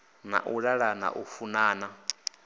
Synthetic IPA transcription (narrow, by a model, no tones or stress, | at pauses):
na̰ʔuɺaɺana̰ʔufunaːna